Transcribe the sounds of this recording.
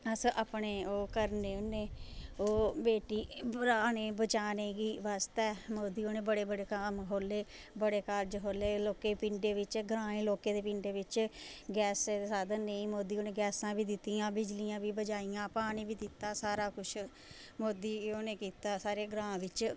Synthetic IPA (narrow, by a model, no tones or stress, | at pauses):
əsʔaːpɳeːoːkəɾneːʊneːoːbeːʈiːbɾaːneːbət͡ʃaːneːɡiːʋaːst̪ɛːmoːd̪iːoːneːbəɽeːbəɽeːkəmɦoːleːbəɽeːkaɾd͡ʒɦoːleːloːkeːpiɳɖeːʋɪt͡ʃɡɾãːẽːloːkeːd̪eːpɪ̃ːɳɖeːʋɪt͡ʃɡɛːsesaːd̪əneĩːmoːd̪iːoːneːɡɛːsãːbiːd̪ɪt̪ːijãːbɪd͡ʒlijãːbiːbəd͡ʒaːijãːpaːnĩːbiːd̪ɪt̪ːaːsaːɾaːkʊt͡ʃʰ | moːd̪iːoːneːkiːt̪aːsaːɾeːɡɾãːʋɪt͡ʃ